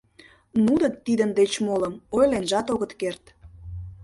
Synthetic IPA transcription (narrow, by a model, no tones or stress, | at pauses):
nud̪ət̪ːid̪ənd̪et͡ɕmoləmojlenʒɑt̪oɣət̪kert̪